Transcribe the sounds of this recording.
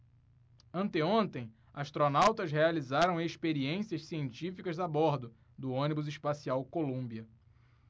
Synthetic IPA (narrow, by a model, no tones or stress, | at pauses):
ɐ̃nt̪ɪõnt̪ẽj̃ | aʃt̪ɾonawt̪ɐzɦealizaɾɐ̃w̃eʃpeɾiẽsiɐʃsiẽnt͡ʃifikɐzd̪abɔɾd̪ʊ | d̪ʊõnibʊzɪʃpasiawkolũmbiɐ